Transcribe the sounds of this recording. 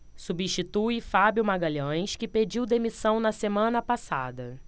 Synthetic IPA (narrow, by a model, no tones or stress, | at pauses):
subĩʃt͡ʃit̪ujfabjumaɡaʎɐ̃j̃skɪped͡ʒiwd̪emisɐ̃w̃nɐsemɐ̃nɐpasa̰d̪ɐ